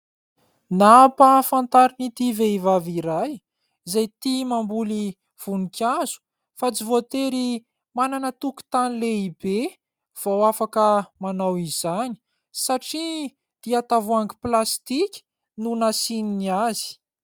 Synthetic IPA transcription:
napafant̪aɾinit̪iveivaviɾaj | zajt̪imambuli | v̥unikʲazu̥ | fat͡sivot̪eɾi | mananət̪uki̥t̪anileibe | v̥awafakəmanawiz̥ani̥ | saʈ͡ʂi | d̪̥iat̪avuaŋɡiplast̪ikʲi̥ | nunasininiazi̥

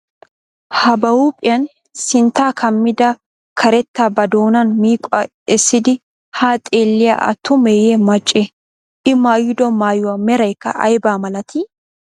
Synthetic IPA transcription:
hɐbɐwuːpʼɪjɐn | sɪnt̪ːaːkʰɐmːɪd̪ɐ | kʰɐɾɛt̪ːabɐd̪oːnɐnmiːkʼʊɐ | ɛsːɪd̪ɪ | haːt̪ʼeːlːɪja̰ʔɐ̰t̪ːʊmeːjɛmɐt͡ʃʼːɛ | ʔɪmaːjɪd̪ɔmaːjʊwɐmɛɾɐjkːɐ̰ʔɐ̰jbaːmɐlɐt̪ʰɪ

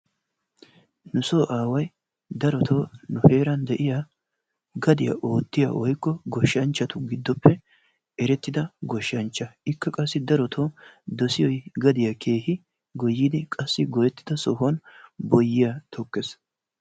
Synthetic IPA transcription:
nʊsoːʔaːwɐj | d̪ɐɾɔt̪ʰoːnʊhe̞ːɾɐnd̪ɛʔɪja | ɡɐd̪ɪjɐ̰ʔo̞ːt̪ːɪja̰wɔjkːɔɡɔʃːɐnt͡ʃːɐt̪ʊɡɪd̪ːɔpʰːɛ | ɛɾɛt̪ːɪd̪ɐɡɔʃːɐnt͡ʃːɐɪkːɐkʼɐsːɪd̪ɐɾɔt̪ʰoːd̪ɔsɪjɔjɡɐd̪ɪjakʰe̞ːhɪ | ɡɔjːiːd̪ɪkʼɐsːɪɡɔjɛt̪ːɪd̪ɐsɔɦɔnbɔjːɪjat̪ʰɔkːes

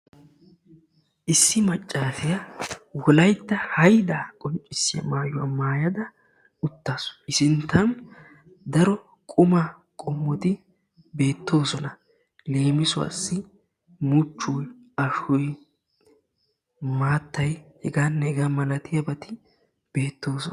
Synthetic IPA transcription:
ʔɪsːɪmɐt͡ʃʼːaːfɪjɐwɔlɐjt̪ːɐhɐjd̪akʼɔnt͡ʃʼːɪsːɪjɐ̰maːjʊwɐ̰maːjɐd̪ɐ | ʊt̪ːaːsɔ̥ɪsɪnt̪ʰːɐn | d̪ɐɾɔ | kʼʊma | kʼɔmːɔt̪ɪ | be̞ːt̪ːo̞ːsɔnɐ | leːmɪsʊwa̰sːɪ | mʊt͡ʃːʊj | ɐʃʊj | maːt̪ːɐjhɛɡaːnːɛɛɡamɐnɐt̪ɪjɐbɐt̪ɪ | b̥e̞ːt̪ːo̞ːsɔ

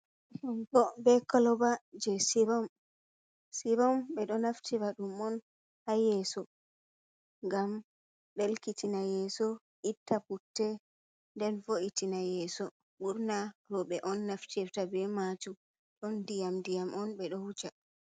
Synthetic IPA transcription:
huŋkɔbɛkɔlɔbad͡ʒɛsiɾɔm | siɾɔmɓɛɗɔnaftʰiɾaɗumɔn | hajɛsɔ | ŋɡam | ɗɛlkitinajɛsɔ | ʔitːaputːɛ | dɛnfoʔitinajɛsɔ | ɓuɾnaɾɔɓɛʔɔnːaftiɛftabɛmat͡ʃu | ɗɔndijamdijamʔɔnɓɛɗɔhut͡ʃa

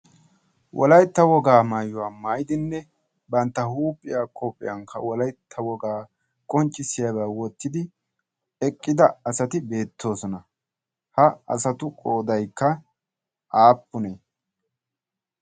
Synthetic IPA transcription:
wʔɔ̰lɐjt̪ːɐwɔɡaːmaːjːʊwaːmaːjd̪ɪnːɛ | bɐnt̪ːɐhuːpʼːɪjaːkʰɔpʼːɪ̰jɐŋkʰːɐwɔlɐjt̪ʰːɐwɔɡaː | kʼɔnt͡ʃʼːɪsɪjɐbawɔt̪ːɪd̪ɪ | ɛkʼːɪd̪ɐɐsɐt̪ɪbe̞ːt̪ʰːo̞ːsɔnɐ | hɐɐ̰sɐt̪ʊkʼoːd̪ɐjkːɐ | ʔaːpːʊneː

